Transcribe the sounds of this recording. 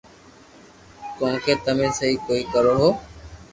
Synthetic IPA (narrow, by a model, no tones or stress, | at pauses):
kõːkʰeːt̪əmẽːsəɦiːkoːiːkəɾoːɦoː